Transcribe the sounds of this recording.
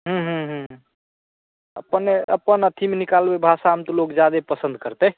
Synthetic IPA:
ɦũɦũɦũɦ | ə̰pəneə̰pːənət̪ʰimenikalbebʱasamt̪olokd͡ʒjad̪epəsə̃nd̪kəɾt̪e

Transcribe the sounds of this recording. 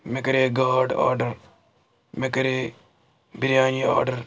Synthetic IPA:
mekɐɾeːɡaːɾɖa̰ːɾɖɐɾ | mekɐɾe | biɾjaːniːa̰ːɾɖɐɾ

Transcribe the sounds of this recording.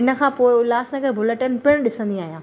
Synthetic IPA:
ɪnə̆kʰãːpoːɪʊlaːsnɐɡəɾbʱʊləʈənpɪɽ̃ɗɪsə̃nd̪iaːɦijãː

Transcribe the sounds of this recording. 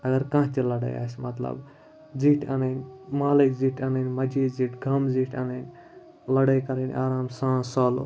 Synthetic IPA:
ɐɡɐɾkãːɦt̪ilɐɽa̰ja̰ːsmɐt̪lɐ̰b | ziʈʰanɐnʲmaːlikziʈʰaːnɐnʲmɐd͡ʒiːziʈɡʱɐmziʈʰaːnɐnʲ | lɐɽɐjkɐɾinʲʔaːɾaːmsãːsoːlṵ

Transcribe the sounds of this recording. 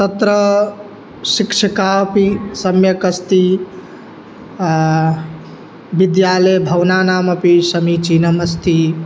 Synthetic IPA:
t̪ɐt̪ɾə | sikʂʰɐkapisɐmjɐkɐst̪i | bid̪jaːlejbʱɐwnaːnaːmɐpisɐmit͡ʃiːnɐmɐst̪ʰi

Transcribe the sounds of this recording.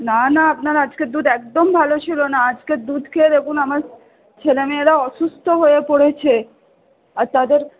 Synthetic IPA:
nanaapnaɾad͡ʑkeɾd̪ud̪ɛk̚d̪ombʱalot͡ɕʰilonaad͡ʑkeɾd̪ud̪ʱked̪ekunamaɾ | t͡ʃʰelemeeɾaɔʃust̪ʰoɦoepoɽet͡ɕʰe | aɾt̪ad̪eɾ

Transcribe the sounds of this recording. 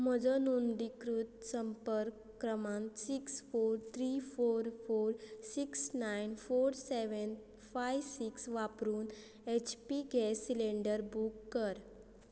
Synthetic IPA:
m̤əd͡zɔnund̪ikɾut̪̚səmpəɾ | kɾəmãnsiksfoɾt̪ʰɾifoɾfoɾsiksnajnfoɾseʋən | fajʋsiksʋapɾuːn | et͡ɕpiɡʱɛsileɳɖəɾbukːəɾ

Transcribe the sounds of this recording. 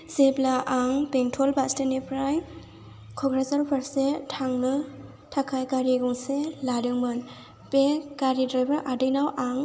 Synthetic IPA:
zeplaʔaŋpeŋtʰɔlbastanipʰɾaj | kʰɔɡɾazaɾpʰaɾsetʰaŋnɯ | tʰakʰajkaɾiɡɔŋseladɯŋmɯn | pekaɾidɾajbaɾʔadɯjnawʔaŋ

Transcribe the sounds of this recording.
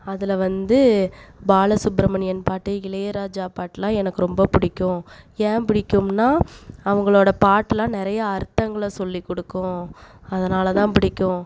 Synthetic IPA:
ɐðɪlʋɐnd̪ɯbaːlɐsʊbɾɐmɐnɪjɐnpaːʈːɐɪlɐjɐɾaːd͡ʒaːpaːʈːlãːɛnɐkːɯɾɔmbɐpɪɽɪkʲːʊ̃ẽːpɪɽɪkʲːɯmnaːɐʋɐŋɡɐɭoːɽɐpaːʈːlãːnɪɾɐjɐːɾt̪ːɐŋɡɐɭɐsɔlːikːɔɽɯkːʊ̃ɐðɐnaːlɐt̪ãːpɪɽɪkʲːʊ̃

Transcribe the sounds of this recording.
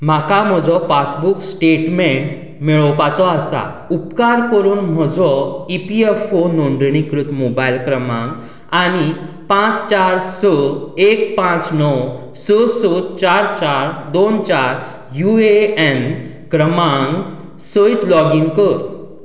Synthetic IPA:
m̤akam̤ɔd͡zɔpasbuksʈeʈmeɳʈ | mɛɭɔpat͡sɔasa̰ | upkaɾkəɾuːnm̤əd͡zɔipiefonoɳɖ̪ɳikɾut̪mobailkɾəmãŋɡ | añi | pãt͡st͡ɕaɾsəekpãt͡snɔw | səsot͡ɕaɾt͡ɕaɾd̪ont͡ɕaɾ | jueen | kɾəmãŋɡ | səit̪lɔɡĩŋɡkəɾ

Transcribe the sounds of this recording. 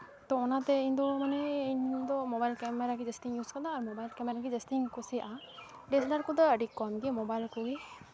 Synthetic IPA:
t̪ɔɔnat̪ɛind̪ɔmanɛind̪ɔmɔbajlkɛmɛɾaɡid͡ʒesʈiŋjuzkad̪aːɾmɔbajlkɛmɛɾaɡid͡ʒɛsʈiŋkɔsɛja̰ʔa | ɖɛsdaɾkɔd̪aəɖikːɔmɡɛmɔbajlkɔɡi

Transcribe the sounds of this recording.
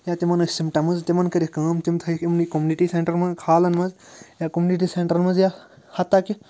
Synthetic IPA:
jaːt̪imɐnɐsimʈɐmɐzt̪imɐnkɐɾikɐːmt̪imt̪ʰɐikimnikomjuniʈiseɳʈɐɾmɐkʰaːlɐnmɐzjakomuːniʈ̬iːseɳʈɐɾmɐzja | hɐt̪ːaki

